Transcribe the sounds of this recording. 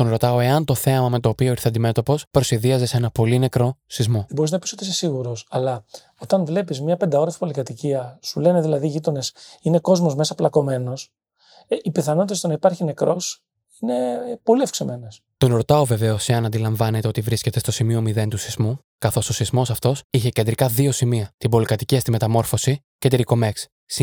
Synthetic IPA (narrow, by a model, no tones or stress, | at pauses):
t̪onɾo̞t̪ɐoe̞ɐnt̪o̞θe̞ɐmɐme̞t̪o̞ːpio̞iɾθeɐnd̪ime̞t̪o̞po̞spɾo̞siðiɐze̞senɐpo̞line̞kɾo̞sizmo̞bo̞ɾiznɐpisot̪isesiɣuɾo̞sɐlɐ | ot̪ɐnvle̞pizmɲɐpe̞nd̪ɐo̞ɾɐsi̥polikɐt̪iciɐsule̞ne̞ðilɐðiʝit̪o̞ne̞sine̞ko̞zmo̞zme̞sɐplɐko̞me̞no̞s | ipiθɐno̞t̪it̪est̪onɐipɐɾçine̞kɾo̞s | ine̞po̞liɐfkseme̞nes | t̪o̞nɾo̞t̪ɐove̞ve̞o̞siɐnɐnd̪ilɐɱvɐnet̪eo̞t̪ivɾisce̞t̪e̞st̪osimio̞miðe̞nt̪usizmu | kɐθo̞so̞sizmo̞sɐft̪o̞siçe̞cend̪ɾikɐðio̞simiɐt̪ibo̞likɐt̪iciɐst̪ime̞t̪ɐmo̞ɾfo̞si | ce̞t̪iɾiko̞meks | s